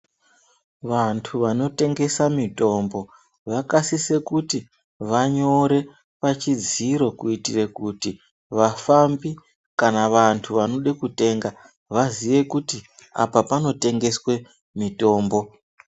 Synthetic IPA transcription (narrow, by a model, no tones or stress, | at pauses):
ʋantʰuʋano̞te̞ŋɡe̞samito̞ːmbo̞ | ʋakasise̞kuti | ʋaɲo̞ɾe̞ | pat͡ʃid͡ziɾo̞kuitire̞kuti | ʋafambi | kanaʋantʰuʋano̞ɗekute̞ːŋɡa | ʋaziʋe̞kutia̰papano̞te̞ŋɡe̞swe̞ | mito̞ːmbo̞